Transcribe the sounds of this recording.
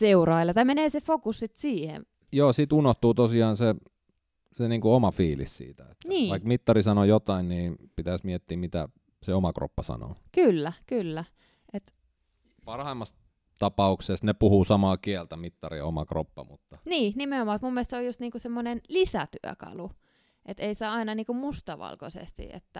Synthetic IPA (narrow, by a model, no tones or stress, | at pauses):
seurɑilːɑt̪ɑimeneːsefokussit̪siːhḛ | joːsit̪unoht̪uːt̪osiɑːnse | seniːŋkuomɑfiːlḭssḭːt̪æet̪niːʋɑikmit̪ːɑrisɑnojot̪ɑinniːnpit̪æsmiɛt̪ːiːmmit̪æ̰ | seomɑkro̰pːɑsɑ̰no̰ːkylːækylːæ | ʔet̪ | pɑrhɑimːɑs | t̪ɑpɑuksest̪nepuhusɑmɑːkiælt̪æmit̪ːɑriomɑkro̰pːɑ̰mut̪ːɑniːnimeomɑːut̪mumːieælst̪seojust̪niːŋkusemːonenlisæt̪y̰æ̰kɑ̰lu | ʔet̪eiseɑinɑniːkummust̪ɑʋɑ̰lko̰sḛst̪ḭḛt̪ːæ